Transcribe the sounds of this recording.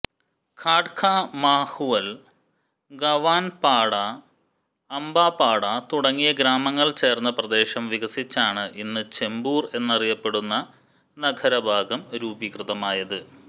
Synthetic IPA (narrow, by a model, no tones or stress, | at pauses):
kʰaːʈkʰaːmaːhuʋɐl | ɡɐʋaːnpaːɽɐː | mbaːpaːɽɐt̪uɽɐŋːijɐɡɾaːmɐŋːɐɭt͡ɕe̞ːrnːɐprɐd̪e̞ːɕɐmʋiɡɐsit͡ɕːaːɳɨʔinːɨt͡ɕe̞mbuːre̞nːɐrijɐpːe̞ɽunːɐ | nɐɡʱɐɾɐbʱaːɡɐmɾuːbikrɨðɐmaːjɐðɨ